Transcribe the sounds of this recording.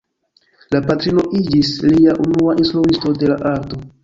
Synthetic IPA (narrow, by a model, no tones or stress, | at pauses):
lapatɾino̞ʔid͡ʒisliaʔunuaʔinstɾuvisto̞de̞laʔaɾto̞